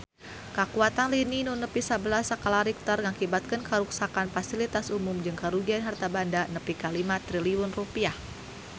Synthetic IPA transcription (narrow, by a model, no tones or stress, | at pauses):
kakuat̪anlininunəpisabəlasakalaɾik̚t̪ərŋakibat̪̚kənkəɾuksakanfasilit̪asumumd͡ʒɨŋkaɾuɡianɦart̪abandanəpikalimat̪ɾiliwʊnrupiah